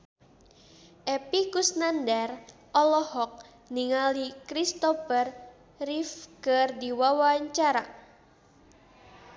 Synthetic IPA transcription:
ʔepikusnandɛr | ʔɔlɔhɔk̚ | niŋalikɾist̪ɔfər | rifkərdiwawaɲt͡ʃaɾa

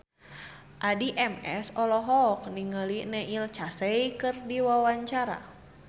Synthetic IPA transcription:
ʔadiʔɛmɛ̰sɔlɔɦɔk̚niŋəlinɛʔilt͡ʃasɛjkɨrdiwawaɲt͡ʃaɾa̰

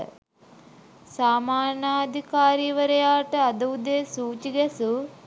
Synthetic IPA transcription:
saːmaːnaːd̪ʱikaːɾiːʋəɾɐjaːʈəɐd̪ɐud̪eːsuːt͡ʃiɡɛsu

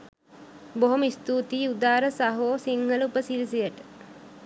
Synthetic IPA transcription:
boɦoməist̪uːt̪iːud̪aːɾəsaɦoːsiŋɡələupəsilis̬ijəʈə̥

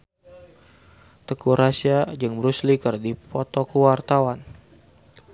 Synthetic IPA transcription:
t̪əkuɾasiad͡ʒəŋbəɾuslikərdipɔt̪ɔkəwart̪awan

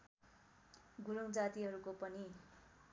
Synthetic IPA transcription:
ɡuɾuŋd͡zat̪iɦʌɾukopʌni

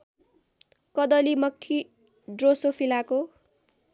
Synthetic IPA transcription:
kʌd̪ʌlimʌkʰːi | ɖrosopʰilako

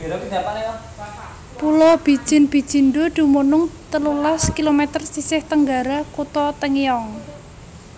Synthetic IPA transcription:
pulɔb̥i̤d̥ʒ̥ɪ̤nb̥i̤d̥d͡ʒ̥i̤nɖod̪̥ṳmonʊŋt̪əlulaskilomɛt̪ərsisɪht̪əŋɡaɾakut̪ɔt̪əŋjɔŋ

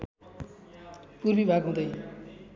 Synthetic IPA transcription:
purbibʱaɡɦũd̪ʌj

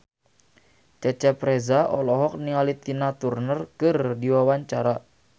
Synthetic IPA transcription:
t͡ʃat͡ʃɛpɾɛzaɔlɔɦɔk̚nialit̪inat̪urnərkɨrdiwawaɲt͡ʃaɾa

